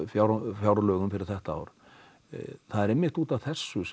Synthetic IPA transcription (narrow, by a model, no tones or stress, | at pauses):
fjawɾfjaːwɾalœːɣʏmfɪɾɪɾ̥θɛht̪aa̰wɾ̥ | θaðɛɾemːɪxt̪uːt̪avθɛsːʏs